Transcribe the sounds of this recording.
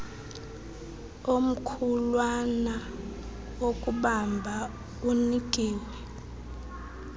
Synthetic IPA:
om̩kʰulwana | okʼuɓambʱa | uniɡ̥ʱiːwɛ

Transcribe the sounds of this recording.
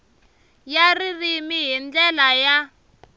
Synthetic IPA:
jaririmiɦind͡ɮɛlaja

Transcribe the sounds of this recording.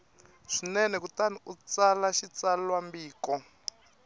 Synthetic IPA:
ʂinɛnɛkutaniut͡salaʃit͡sallwambiːkɔ

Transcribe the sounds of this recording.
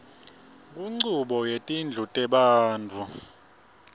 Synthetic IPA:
kʼuŋ͡ǀuɓɔjetʼind͡ɮʱutʼɛɓaːndʱu

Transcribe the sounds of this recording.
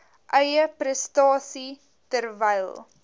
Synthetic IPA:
ʔœjəprəstɑːsi | tərvɛjlˠ

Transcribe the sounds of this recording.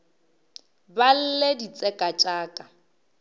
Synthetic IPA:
bal̩ledit͡sʼɛkʼat͡ʃʼaːkʼa

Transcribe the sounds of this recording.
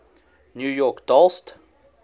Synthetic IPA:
njʉjɔkd̥ɔlst

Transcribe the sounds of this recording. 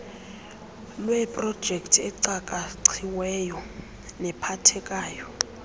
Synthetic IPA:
lwɛpʼrɔd̥ʒ̥ʱektʰɛǀakʼaǀʰiwɛjɔ | nɛpʰatʰɛkʼaːjɔ

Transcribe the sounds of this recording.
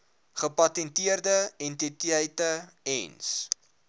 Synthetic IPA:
χəpɐtɛntiərdəɛntitiəjtəɛ̰ns

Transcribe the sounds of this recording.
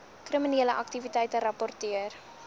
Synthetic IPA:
kriminiələʔɐk̚tivitɛjtəɾɐpɔrtiər

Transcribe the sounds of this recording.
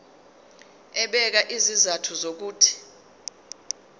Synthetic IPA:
ɛɓɛk̬aʔizizatʰuzok̬uːtʰi̥

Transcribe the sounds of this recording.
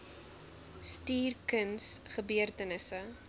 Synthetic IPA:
stiːrkənsχəbyərtənəsə

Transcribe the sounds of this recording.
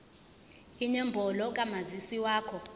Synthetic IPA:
iɲɛmbʱɔlɔkʼamazisiwaːkʰɔ

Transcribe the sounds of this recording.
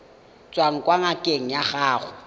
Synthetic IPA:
t͡sʼwaŋ̩kʼwaŋakʼeŋ̩jaɣaːɣʊ

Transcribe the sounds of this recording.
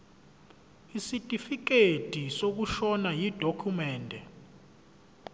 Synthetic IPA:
isitʼifik̬etisok̬uʃɔnajid̥ʱokʰumɛːndʱɛ

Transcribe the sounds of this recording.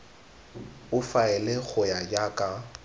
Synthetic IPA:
ʊfaɛlek͡xʰʊjajakʼa

